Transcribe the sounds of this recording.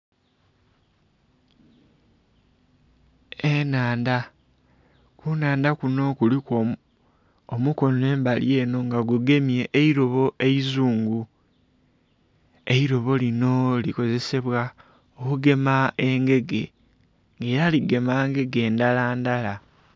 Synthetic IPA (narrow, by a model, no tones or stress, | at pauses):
enaːnda | kunaːndakuno̞kuliko | omuko̞ne̞ːmbalje̞ːno̞ŋɡaɡuɡe̞mje̞ʔːiɾo̞βo̞ʔe̞izuːŋɡu | e̞iɾo̞βo̞lino̞liko̞ze̞se̞βwa | okuɡe̞mae̞ŋɡe̞ɡe̞ | ŋɡe̞ːɾaliɡe̞maːŋɡe̞ɡe̞ːndalaːndala